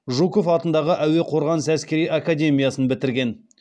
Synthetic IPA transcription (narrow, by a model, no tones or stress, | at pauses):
ʒukofɑt̪ənd̪ɑʁəʔæwe̞qʰo̞ɾʁɑnəsæskʲe̞ɾijʔakad̪ʲe̞mʲijɑsənbɪt̪ɪɾɡʲe̞n